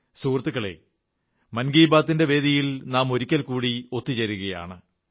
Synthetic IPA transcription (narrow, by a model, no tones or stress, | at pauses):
suːrt̪ːɨkːɐɭḛ | mɐnɡiːbaːt̪ːinde̞ʋe̞ːd̪ijilnaːmo̞ɾikʲːɐlkuːɽio̞t̪ːit͡ɕɐɾuɣɐja̰ːɳɨ